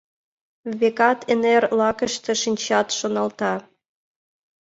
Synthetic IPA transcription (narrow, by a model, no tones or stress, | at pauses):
βekɑt̪ʰenerlɑkə̆ʃt̪ĕʃinʲt͡ɕɑt̪ʃonɑlt̪ɑ